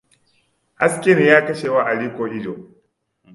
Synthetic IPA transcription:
ʔa˦skʲɪ˦ni˨jaː˦kɐ˦ʃeː˨waː˦ʔa˨liː˦kʷoː˨ʔɪ˦d͡ʒoː˨

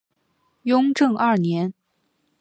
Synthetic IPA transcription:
jʊ˥ŋʈ͡ʂɤ˥˧ŋʔɐ˥˩njɛ˧˥n

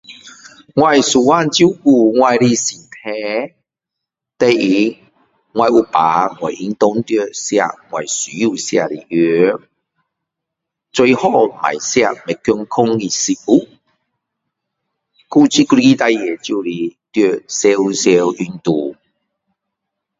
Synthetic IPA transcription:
ŋwa˧jsu˨˩wa˥˧˨nt͡ɕu˦ku˧ŋwa˧jɾi˧sĩ˨˩t̪ʰɛ̃˧˦ | t̪e˧i˧˦ | ŋwa˧jʔu˧pa̰˨˦ŋwa̰˨˩jʔi˧˦ŋt̪o˦ŋt̪jo˧sja̰˧ŋwa˨˩jsi˨˦ju˧˨sja̰˧˨li˧ʔø˧˦ | t͡swe˧jhɔ˧mã̰˨˩jsja˧me˨kːju˧ŋkʰo˦ŋɡi˧˨si˧u˦ | ku˦t͡ɕi˦ku˧i˦t̪a˧jje˨t͡ɕu˧li˧t̪jø˧˨se˧u˧se˧wʔy˧nt̪u˧

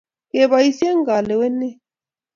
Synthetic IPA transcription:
ke˨βa˨i˦si˦e˦ŋɡa˨lɛ˨wɛ˦nɛ˦

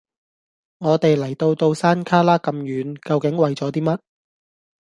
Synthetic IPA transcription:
ŋɔː˨˧t̪e˨jlɐ˨˩jt̪o˧wt̪o˧wsaː˥nkʰaː˥laː˥kɐ˧mjyː˨˥nkɐ˧wkɪ˨˥ŋwɐ˨jt͡sɔː˨˥t̪̬iː˥mɐ˥t̚

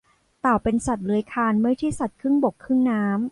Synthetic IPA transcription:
t̪aː˨˩wpe˧nsa˨˩t̪̚lɯ˨˦əjkʰaː˧nmɯ˥˩jt͡ɕ̪ʰi˥˩sa˨˩t̪̚kʰɯ˥˩ŋbo˨˩kʰːɯ˥˩ŋnaː˦˥m

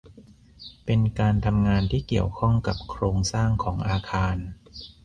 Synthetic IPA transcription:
pe˧nkaː˧nt̪ʰa˧mŋaː˧nt̪ʰiː˥˩ki˨˩əwkʰɔ˥˩ŋka˨˩p̚kʰɾoː˧ŋsaː˥˩ŋkʰɔː˩˦ŋʔaː˧kʰaː˧n

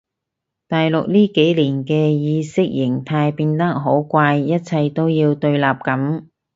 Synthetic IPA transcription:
t̪aː˨jlʊ˨k̚liː˥ke˨˥jliː˨˩nkɛː˧jiː˨˧sɪ˥k̚jɪ˨˩ŋt̪ʰaː˧jpiː˧nt̪ɐ˥k̚ɦo˨˥wkʷaː˧jːɐ˥t̚t͡sʰɐ˧jt̪o˥wjiː˧wt̪ɵ˧ɥlaː˨p̚kɐ˨˥m

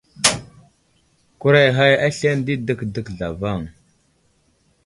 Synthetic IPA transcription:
ku˦ɾa˦jɦa˦ja˦ɬe˦ndi˦də˦kdə˨kɮa̰˨va˦˨ŋ

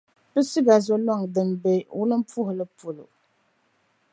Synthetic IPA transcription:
bɨ˦si˦ɡa˨zo˦lɔ˦˨ŋdɨ˨m˨be˦wṵ˦lɨ˦m̩˦pu˦hʊ˨lɨ˦po˨lo̰˨

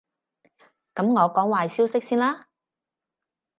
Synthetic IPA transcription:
kɐ˨˥mŋɔː˨˧kɔː˨˥ŋwaː˨˧jsiː˥wsɪ˥k̚siː˥nlaː˥

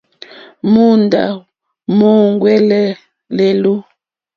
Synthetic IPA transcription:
mu˦nda̰˨ | mu˦ŋ˦ɡwɛ˦lɛ˦ | le˨lu˦

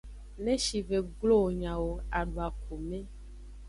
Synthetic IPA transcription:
nẽ˦ʃi˨ve˨ɡlo˦˨ɲã˨wo˨a˨ɖwa˨k̚ʰo˨mẽ˦

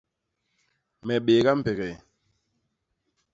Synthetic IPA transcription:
mɛ˨ɓe˨ɣa˦m̩˨pɛ˨ɣɛ˨

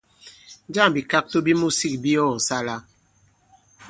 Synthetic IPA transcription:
d͡ʒa˦˨m˨bi˨ka˦k̚to˦bi˦mu˦si˦˨k̚bi˦ɔ˦˨sa˦la˦

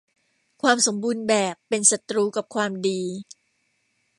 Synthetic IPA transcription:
kʰwaː˧mso˩˦mbuː˧nbɛː˨˩pːe˧nsa˨˩t̪ɾuː˧ka˨˩p̚kʰwaː˧mdiː˧

